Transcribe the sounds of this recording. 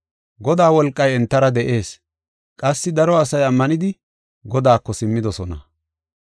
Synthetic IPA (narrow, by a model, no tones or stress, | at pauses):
ɡɔd̪aːwɔlkʼːɐjɛnt̪ːɐɾɐd̪ɛʔe̞ːs | kʼɐsːɪd̪ɐɾɔɐsɐjɐmːɐnɪd̪ɪ | ɡɔd̪aːkːɔsɪmːɪd̪ɔsɔnɐ̰